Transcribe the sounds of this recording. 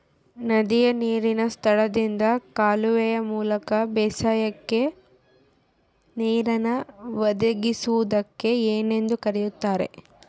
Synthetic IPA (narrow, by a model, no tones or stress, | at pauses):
nɐd̪ijɐniːɾinɐst̪ʰɐɭɐd̪ind̪ɐkaːluʋɛjɐmuːlɐkɐbɛːsaːjɐkːe̞ | niːɾɐnɐʋɐd̪ɐɡisuʋud̪ɐkːe̞eːne̞nd̪ukɐɾɛjut̪ːaːɾe̞̰